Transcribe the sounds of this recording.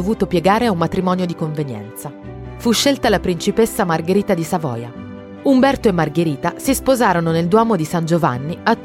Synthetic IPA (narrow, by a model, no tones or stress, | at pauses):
ovuːt̪opjeɡaːɾeaumːat̪ɾimɔːnjod̪ikoɱvenjɛ̰nt̪sa | fuʃːelt̪alapɾint͡ʃipesːamarɡeɾiːt̪ad̪isavɔ̰ːja̰ | umbɛrt̪oemːarɡeɾiːt̪asispozaːɾononeld̪wɔːmod̪isand͡ʒova̰nːiat̪ː